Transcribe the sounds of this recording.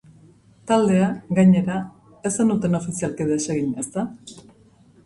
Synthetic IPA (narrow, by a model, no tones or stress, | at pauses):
t̪ald̪e̞aɡaɲe̞ɾa | e̞sanut̪e̞no̞fisialkiðeseɣiɲest̪a